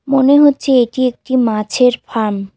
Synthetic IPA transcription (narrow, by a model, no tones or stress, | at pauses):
moneɦotːɕʰeeʈiek̚ʈimãt͡ɕʰeɾfʰaɾm